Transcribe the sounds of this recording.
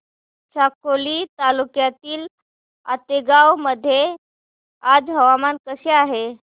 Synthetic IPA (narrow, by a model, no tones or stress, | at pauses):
ɕakoliːt̪alukjat̪iːl | a̰t̪eɡawməd̪ʱːje | ad͡zɦəʋamankəseaɦe